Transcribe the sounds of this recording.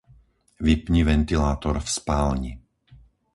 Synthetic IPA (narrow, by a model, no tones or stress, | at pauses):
ʋipɲiʋɛnt̪ilaːt̪ɔɾfspaːlɲi